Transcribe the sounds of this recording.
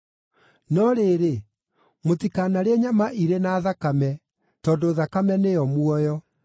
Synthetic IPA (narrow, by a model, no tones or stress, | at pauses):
nɔɾeːɾe | motikaːnaɾeɛɲamaʔiɾenaːðakamɛ | tɔːndoːðakamɛnejɔmwɔjɔ